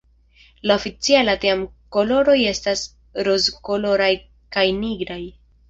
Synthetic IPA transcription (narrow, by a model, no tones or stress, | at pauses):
laofit͡sialateamko̞lo̞ɾo̞je̞stas | ɾozko̞lo̞ɾaj | kajniɡɾaj